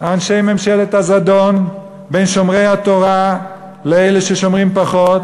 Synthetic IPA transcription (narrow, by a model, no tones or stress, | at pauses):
haːnʃejme̞mʃelet̪hazad̪o̞n | be̞jnʃo̞mʁe̞jhat̪o̞ʁa | leejleʃeʃo̞mʁimpaχo̞t̪̚